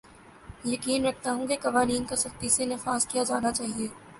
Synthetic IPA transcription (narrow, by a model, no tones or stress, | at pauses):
jɐkiːnɾɐk̚ʰt̪aɦũkekɐʋaːniːnkasɐxt̪isenɪfaːzkijad͡ʒaːnat͡ʃaːɦieː